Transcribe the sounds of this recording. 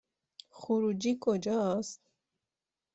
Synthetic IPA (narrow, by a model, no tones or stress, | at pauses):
χuɾud͡ʒikʰod͡ʒɔast̪̚